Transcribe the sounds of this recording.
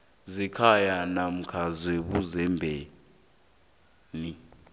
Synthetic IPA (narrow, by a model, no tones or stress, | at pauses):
zikʰajanam̩kʰazweɓuzɛmbʱe | ni